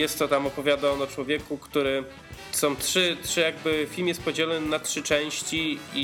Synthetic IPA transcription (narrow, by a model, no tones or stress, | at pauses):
jɛst̪ːɔt̪amɔpɔvʲjad̪aɔnɔt͡ʂwɔvʲjɛkukt̪uɾɘ | sɔ̃w̃tʂɘtʂɘjaɡ̚bɘfʲilmjɛst̪̚pɔd͡ʑɛlɔnnatʂɘt͡ʂɛ̃w̃ɕt͡ɕii